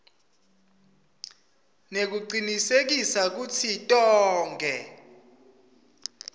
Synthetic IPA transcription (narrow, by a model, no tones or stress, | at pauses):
nek̬uǃinisek̬isak̬ut͡sʰitʼɔːŋɡʱɛ